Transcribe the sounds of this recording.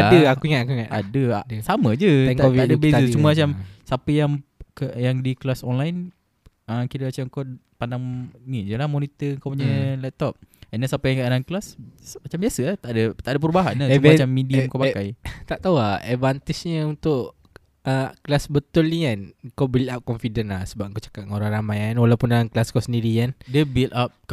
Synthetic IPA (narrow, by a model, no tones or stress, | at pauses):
aəakuiŋat̪akuiŋaʔ̪a̰dəsaməd͡ʒəŋaiadəbeət͡ʃuməmat͡ʃamsapəjaŋkəʔjaŋdiklasɔnlajn | əkiɾəmat͡ʃamŋkow | pandaŋnid͡ʒəlahmonit̪əəŋkawpuɲəlɛp̚t̪ɔp̚ɛndasapəjaŋkəadanklasmat͡ʃambiasəat̪aʔdət̪aʔdəp̬əɾubaɦanəsumat͡ʃamːidiəmkawpakajt̪aʔt̪auaɛvant̪isɲəunt̪ʊʔ | əklasbət̪ʊlniankawbiliap̚kɔmfidənlasəbap̚ŋkawt͡ʃḁkaʔ̚ŋoɾaŋɾamajanwalawpunaaŋklaskɔsəndiɾikandəbilt̪ap̚k